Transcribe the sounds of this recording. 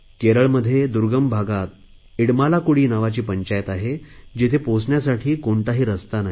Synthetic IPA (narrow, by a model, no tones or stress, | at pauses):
keɾəɭməd̪ʱːjed̪uɾɡəmbʱaɡat̪̚ | iɽmalakuɽiːnaʋat͡ɕiːpəɲt͡ɕajət̪aɦed͡ʑet̪ʰeposɳjasaʈʰiːkoɳt̪aɦiːɾəst̪anaɦ